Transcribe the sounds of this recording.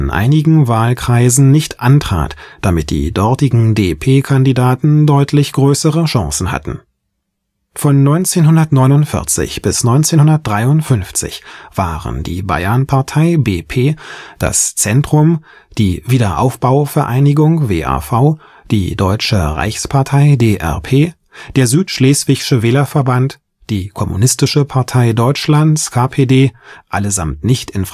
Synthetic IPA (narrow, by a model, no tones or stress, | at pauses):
nʔa̰ɪnɪɡŋ̩vaːlkʁ̥aɪzn̩nɪçtʔantʁ̥a̰ːtd̥amɪt̚d̥ḭːdɔʁtɪɡŋ̩deːpʰeːkʰandidaːtn̩dɔʏtʰlɪçɡ̥ʁøːsəʁəʃãŋsn̩ha̰tn̩ | fɔnːɔʏnt͡seːnɦʊndɐtnɔʏnʊntfɪ̰ɐt͡sɪ̰çb̥ɪsnɔʏnt͡seːnhʊndɐt̚d̥ʁaɪʊntfʏnft͡sɪ̰çv̥aːʁə̰ndḭːba̰ɪɐnpʰaɐtʰaɪbeːpʰeːd̥a̰st͡sɛntʁ̥ʊm | d̥iːviːdɐʔa̰ʊfb̥aʊfɛɐʔaɪnɪɡʊŋvḛːʔa̰ːfaʊ | d̥ḭːdɔʏt͡ʃə̰ʁa̰ɪçspʰaɐtʰaɪdeːʔɛ̰ɐpʰeː | d̥eːɐzyːtʃleːsv̥ɪçʃəvɛːlɐfɛɐbant | d̥iːkʰɔmṵnɪstɪʃəpʰaɐtʰaɪdɔʏt͡ʃlantskʰaːpʰeːdeːʔaləza̰mtnɪçtɪnf